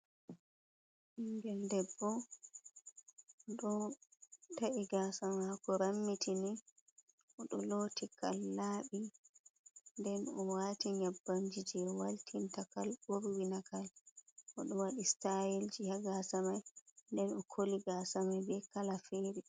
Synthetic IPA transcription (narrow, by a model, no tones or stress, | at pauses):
ʔiŋɡɛldɛbːɔ | ɗɔ | taʔiɡasamahakɔɾamːitini | ʔɔɗɔlotikʰa̰lːaːɓi | ndɛnɔwatiɲabːand͡ʒid͡ʒɛwaltʰintakalɓoɾwinakalʔɔɗɔwaɗistajild͡ʒihaɡasamajndɛnɔkʰoliɡaːsamajbɛkalafeːɾi